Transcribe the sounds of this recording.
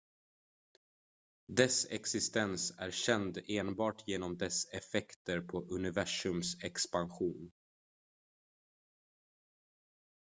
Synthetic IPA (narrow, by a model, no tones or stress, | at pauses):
d̪ɛsɛ̰ksɪst̪ɛnsæ̰ɾɕɛnd̪eːnbɑːʈjeːnɔmd̪ɛsɛfɛkt̪əɾpʰɔʔɵnɪvæʂɵmsɛkspanɧuːn